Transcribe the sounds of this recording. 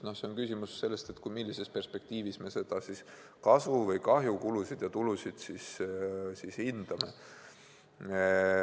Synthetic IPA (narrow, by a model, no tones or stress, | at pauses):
no̞hse̞onkysʲimusːe̞lːe̞st̪et̪kujmilːise̞spe̞rspe̞k̚t̪iːvisme̞se̞d̪̥ɑsis | kɑsvuvɤjkɑɦjukulusid̪̥jɑt̪ulusid̪̥sissishind̪̥ɑme̞